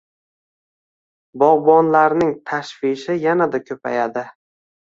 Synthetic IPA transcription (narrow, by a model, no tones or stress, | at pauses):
bɒʁbɒnlaɾnɪŋt̪ʰaʃfɪʃɪjanad̪akʲʰɵpʰajad̪ɪ